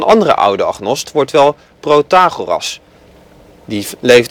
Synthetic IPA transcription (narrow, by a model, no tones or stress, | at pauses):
nʔɑ̰ndərə̰ʔʌ̰wdəɑ̰χnɔstʋɔɹtʋɛlˠ | prowtaːχorɑ̰s | dilejf